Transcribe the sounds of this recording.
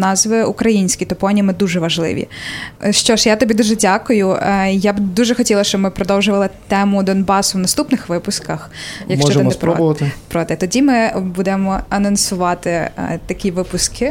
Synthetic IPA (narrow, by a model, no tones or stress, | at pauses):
nɑzʋɪukɾɐjinʲsʲkʲit̪ɔpɔnʲimɪd̪uʒɛʋɐʒlˠɪ̰ʋʲḭʃt͡ʃɔʃjat̪ɔbʲid̪uʒɛdʲakʊjʊjabd̪uʒɛxɔtʲilˠɐʃt͡ʃɔbmɪpɾɔd̪ɔwʒʊʋɐlˠɪt̪ɛmʊd̪ɔnbɑsʊwnɐst̪upnɪxʋɪpʊskɐxjɐkʃt͡ʃɔt͡ʃɔɪnɛspɾɔbʊʋɐt̪ɪpɾɔt̪ɛt̪ɔdʲimɪbud̪ɛmɔɐnɔnsʊʋɑt̪ɪt̪ɐkʲiʋɪpʊskʰɪ